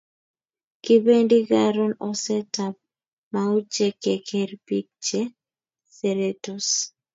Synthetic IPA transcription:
kɪ˦bendi˦ɡaɾɔ˦nɔ˨sɛ˦tap̚ | mau˦t͡ʃe˦ke˨kʰerpi˦k̚t͡ʃe | seɾetus

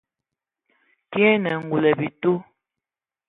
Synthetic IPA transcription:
ki˦ɛ˦nɛ˨ŋ̩˨ɡu˨lɛ˨bi˨tu˦

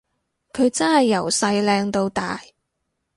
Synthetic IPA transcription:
kʰɵ˨˧ɥt͡sɐ˥nhɐ˨jːɐ˨˩wsɐ˧jlɛː˧ŋt̪o˧wt̪aː˨j

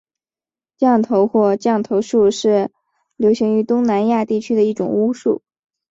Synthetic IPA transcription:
t͡ɕjɑ˥˩ŋt̪ʰo˧˥ʊxwɔ˥˧t͡ɕjɑ˥˩ŋt̪ʰo˧˥ʊʂu˥˧ʂɻ̩˥˩ | ljo˧˥ʊɕi˧˥ŋy˧˥t̪ʊ˥ŋna˧˥nja˥˧t̪i˥˩t͡ɕʰy˥d̪ə˨i˥˩ʈ͡ʂʊ̰˨˩ŋu˥ʂṵ˥˩

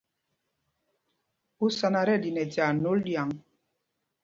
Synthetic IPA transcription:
u˦sa˨na˨ɾɛ˦˨di˨nɛ˨da˨no˦lja˨ŋ

